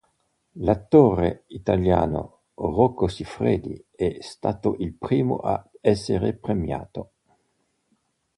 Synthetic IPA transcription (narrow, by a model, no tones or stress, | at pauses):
lat̪ːoreit̪alja̰ːno̰ | rokːosifɾeːd̪ḭɛst̪aːt̪oʔilpɾiːmo̰ʔa̰ɛsːeɾepɾemja̰ːt̪o